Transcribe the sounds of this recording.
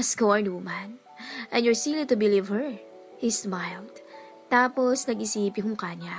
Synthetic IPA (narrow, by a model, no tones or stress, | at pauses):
ɐskoɐɹnuːman | ʔɛ̃njɔɹsilit̪ʊbɪlivhɛɹ | hismajld̪̥ | t̪aːposnɐɡɪsiːpjoŋʊŋkaːɲa